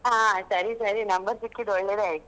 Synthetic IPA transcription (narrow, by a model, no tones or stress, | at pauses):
ɦãsaɾiːsaɾiːnəmbəɾt̪ikːiːd̪oɽleɾaj